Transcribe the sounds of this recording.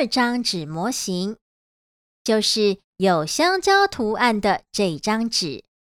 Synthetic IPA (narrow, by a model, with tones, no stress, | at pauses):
ʈ͡ʂɑ˥ŋʈ͡ʂɻ̩˨˩mwɔ˧˥ɕi˧˥ŋ | t͡ɕjo˥˧ʊʂɻ̩˥˩ | jo˨˩ʊɕjɑ˥ŋt͡ɕjɑ˥ʊt̪ʰu˧˥a˥˩nd̪ə˨˩ʈ͡ʂɤ˥˧i˥˩ʈ͡ʂɑ˥ŋʈ͡ʂɻ̩˨˦